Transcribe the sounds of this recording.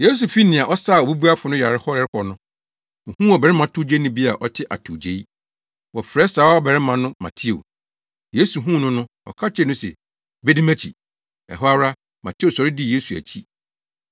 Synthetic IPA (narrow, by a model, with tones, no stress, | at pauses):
je˦s̬u˨fi˦nɪ̃˨a˨ʔɔ˦saː˦˨o˨bu˦bu˦a˦fʊ˨nʊ̃˦ja˨ɾɪ˦hɔ˦ɾɪ˦ɾɪ˦kʰɔ˨nʊ̃˦˨ | hũ˦ɔ˨bɛ˨ɾɪ˦mã˨tʰu˦d͡ʑe˦nʊ̃˦bi˦a˨ʔɔ˦tʰɪ˦ʔa̰˨tʰu˨d͡ʑe˨i˦ | wɔ˨fɾɛ˦saː˨˦ɔ˦bɛ˨ɾɪ˦mã˨nʊ̃˦mã̰˨tʰi˦o̰˨ | jeː˦su˨ɦũ˦˨nʊ̃˦nʊ̃˦ | ɔ̰˨kʰa˦t͡ɕʰɛ˦˨nʊ̃˦sɛ̰˨ | be˦di˦mæ̃˦t͡ɕʰḭ˨ | ɛ̰˨ɦɔ˦a˦ɾa˦ | mã̰˨tʰi˦o˨sɔ˨ɾɪ˦dɪ˦˨je˦su˨æ̰˨t͡ɕʰi˦